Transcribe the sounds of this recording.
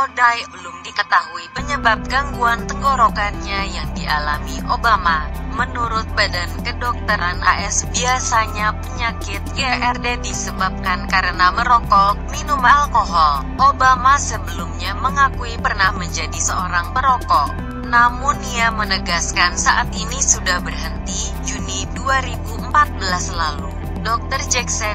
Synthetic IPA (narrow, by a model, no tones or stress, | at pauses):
odajbəlʊmdikət̪aɦuipəɲəbap̚ɡaŋɡuant̪əŋɡoɾokanɲajaŋdia̰lamiʔobamamənuɾʊt̪̚badankədɔk̚t̪əɾana̰ʔɛsbiasaɲapəɲakɪt̪̚ɡeʔɛrdedisəbap̚kankaɾənaməɾokɔʔminumalkoɦɔl | ʔobamasəbəlumɲaməŋakuipərnahməɲd͡ʒadisəoɾaŋməɾɔkɔʔ | namuniamənəɡaskansaʔat̪inisudahbərɦənt̪i | d͡ʒuniduaɾibumpat̪̚bəlaslalu | dɔk̚t̪ərd͡ʒɛksɛ